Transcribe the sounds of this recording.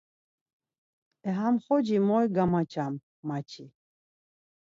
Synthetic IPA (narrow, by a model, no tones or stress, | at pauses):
ɛɦamχɔd͡ʒimɔjɡamat͡ʃʰamː | at͡ʃʰi